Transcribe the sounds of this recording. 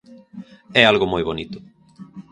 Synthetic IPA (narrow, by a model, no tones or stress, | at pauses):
ɛalɣomojβonit̪ʊ̥